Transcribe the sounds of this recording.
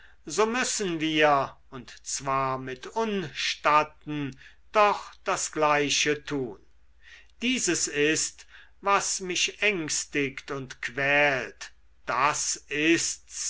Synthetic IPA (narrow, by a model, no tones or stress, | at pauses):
zoːmʏsənviːɐ | ʊntt͡sv̥aːɐmɪtʰʊnʃtatn̩ | d̥ɔχd̥asɡ̥laɪʃətʰuːn | d̥iːzəsɪst | vasmɪʃɛŋstɪktʊntkʰv̥ɛːlt | d̥asɪsts